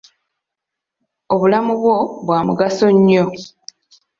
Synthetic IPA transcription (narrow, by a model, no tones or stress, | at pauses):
oβulamuβwo̞βwaːmṵɡaso̞ɲːo̞